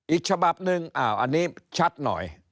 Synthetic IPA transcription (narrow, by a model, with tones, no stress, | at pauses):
ʔi˧t͡ɕʰa˧ɓa˧p̚nɨ˧ŋʔaː˧˩wʔa̰˧˩ni˦t͡ɕʰa˦t̪̚nɔ̰˨˦j